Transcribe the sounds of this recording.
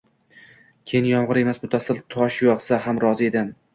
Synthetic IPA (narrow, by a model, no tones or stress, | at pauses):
kʲʰejɪnjɒmʁɨɾe̞masbʊt̪ʰasɪlˠt̪ʰɒʃjɒqsahamɾɒzied̪ɪm